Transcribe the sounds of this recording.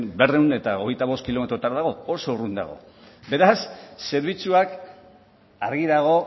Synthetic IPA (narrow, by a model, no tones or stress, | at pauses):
be̞re̞wne̞t̪ao̞ɣ̞e̞jt̪aβo̞skilo̞me̞t̪ɾot̪aɾaðaɣo̞oso̞urund̪a̰ɣ̞o̞̰ | be̞ɾasːe̞ɾβ̞it͡suak | aɾɣiðaɣ̞o̞